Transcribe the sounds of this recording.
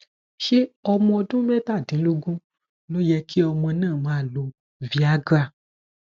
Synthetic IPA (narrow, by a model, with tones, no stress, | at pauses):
ʃe˦ɔ˧mɔ̃˧ɔ˧dũ˦mɛ̃˦ta˦˨dĩ˨˦lu˦ɡũ˦ | lo˦jɛ˧ki˦ɔ˧mɔ̃˧nãː˦˨mãː˨˦˨lo˧ | vi˧a˨˦ɡɾa˦˨